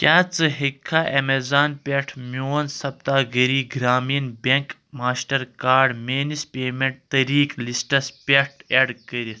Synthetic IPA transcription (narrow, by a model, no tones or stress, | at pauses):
kʲaːt͡sɨɦikʰːaʔemezaːnpʲeʈʰmoːnsɐp̚t̪aːɡɐɾiːɡɾaːmiːnbeŋk | maːsʈɐɾkaːɖmeːnispeːmeɳʈ̚t̪ɐɾiːklisʈɐspʲeʈʰeɖkəɾit̪